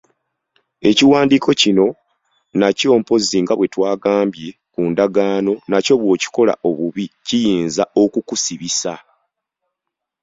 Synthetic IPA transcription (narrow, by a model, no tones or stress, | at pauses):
e̞ciwaːndikʰo̞cino̞ | naco̞ːmpo̞ziŋɡaβwe̞twaːɡaːmbje̞ | kuːndaɡaːno̞naco̞βwo̞ːci̥ko̞la̰ʔo̞βuβicijiːnzao̞kukusiβisa